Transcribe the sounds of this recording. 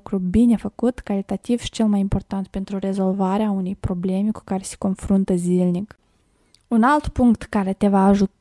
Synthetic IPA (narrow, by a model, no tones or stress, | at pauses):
kɾubine̞fəkut̪kaɾit̪at̪iv̥ʃi̥t͡ʃe̞lˠmajimpo̞rt̪ant̪̚pe̞nt̪ɾuɾe̞zo̞lvaɾeaunejpɾo̞ble̞meku̥kaɾe̞se̥ko̞nfɾunt̪əzilnik | unalt̪puŋkt̪kaɾe̞t̪e̞vaːʒut̪